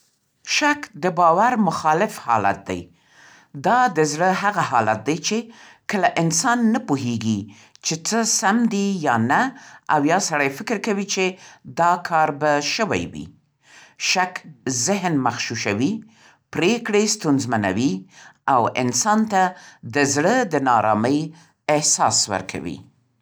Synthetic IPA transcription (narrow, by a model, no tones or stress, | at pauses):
ʃakd̪əbɑwaɾmʊxɑlɪfhɑ̰la̰t̪̚d̪a̰j | d̪ɑd̪əzɽəɦaɣaɦɑla̰t̪̚d̪ajt͡ʃe | kəlaʔɪnsɑnːapuɦeɡi | t͡ʃet͡səsamd̪ijɑnaawjɑsaɽajfɪkɪɾkawit͡ʃed̪ɑkʰɑɾbaʃəwa̰jwḭ | ʃakzɪɦnmaxʃuʃawi | pɾekɽest̪unzmana̰wiawɪ̰nsɑnt̪ad̪əzɽəd̪ənɑɾɑ̰məj | ɪhsɑ̰swə̰ɾkʰa̰wḭ